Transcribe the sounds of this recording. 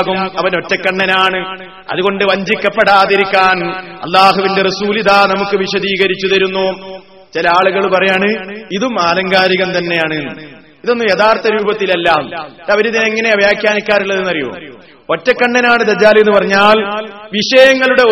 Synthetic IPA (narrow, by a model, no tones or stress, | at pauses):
ɣumɐʋɐno̞tːɐkːɐɳːɐnaːɳɨ | ɐ̰ðuɣo̞ɳɖɨʋɐɲd͡ʑikʲːɐpːeɽaːðiɾikʲːaːnɐ̰lːaːɦuʋinderɐsuːliðaːnɐmukːɨʋiɕɐðiːɣɐɾit͡ɕːuðɐɾunːoː | t͡ɕilɐaːɭuɣɐɭpɐrɐjaːɳɨiðumaːlɐŋɡaːɾiɣɐmt̪ɐnːe̞jaːɳenːɨ | iðo̞nːɨjɐðaːrt̪ɐɾuːbɐt̪ːilelːaːmɐʋɐɾuðineŋːɐne̞ɐʋjaːkjaːnikʲːaːɾiɭːɐðɨnɐrijo̰m | o̞tːɐkːɐɳːɐnaːɳɨd̪ɐd͡ʑːaːlenːɨpɐrɐɲːaːlʋiʂɐjɐŋːɐɭuɽe̞